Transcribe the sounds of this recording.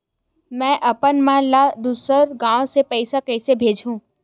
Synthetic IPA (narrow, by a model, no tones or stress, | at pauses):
mɛ̃ːʔɐpənmãlad̪uːsəɾɡãːwõsepəɪsakəɪsebʱeːd͡ʒʱũː